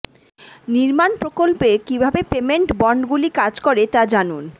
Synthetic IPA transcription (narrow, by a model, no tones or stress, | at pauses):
niɾmanpɾokolpekibʱabepemeɳʈbɔɳɖɡulikad͡ʑkoɾet̪ad͡ʑanun